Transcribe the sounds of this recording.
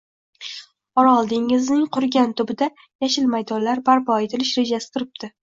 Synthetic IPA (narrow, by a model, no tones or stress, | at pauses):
ɒɾɒlˠd̪ɪŋɪznɪŋqʰʊɾɡʲant̪ʰʊbɪd̪a | jaʃɪlmajd̪ɒnlːaɾbaɾpɒet̪ʰɪlɪʃɾe̞d͡ʒasɪ̥t̪ʰʊɾɪp̚d̪̥ɪ